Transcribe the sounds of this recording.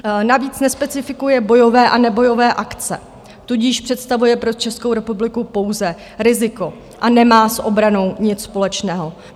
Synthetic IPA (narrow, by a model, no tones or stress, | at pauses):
naviːt͡snɛspɛt͡sɪfɪkujɛbo̞jo̞vɛːʔanɛbo̞jo̞vɛːʔakt͡sɛ̰ | t̪uɟiːʃpr̝̥ɛt̪st̪avujɛpɾo̞t͡ʃɛskowɾɛpublɪkupo̞wzɛ | ɾɪzɪko̞ | ʔanɛmaːsʔo̞bɾano̞wɲɪt͡sspo̞lɛt͡ʃnɛːɦo̞